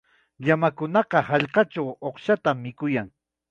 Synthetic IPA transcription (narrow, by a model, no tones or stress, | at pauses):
jamakʊnɑqɑhɑʎqɑʈ͡ʂawoχʃat̪amːɪkʊjaŋ